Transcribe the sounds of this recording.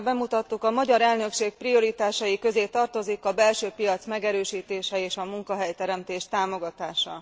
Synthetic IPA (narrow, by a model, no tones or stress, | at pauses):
bɛmut̪ɒt̪ːukɒmɒɟɒɾɛlnø̞kʃeːk̚prio̞ɾit̪aːʃɒjikø̞zeːt̪ɒrt̪o̞zikɒbɛlʃøːpijɒt̪smɛɡɛɾøːʃiːt̪eːʃɛeːʃɒmuŋkɒɦɛjt̪ɛɾɛmt̪eːʃt̪aːmo̞ɡɒt̪aːʃɒ̰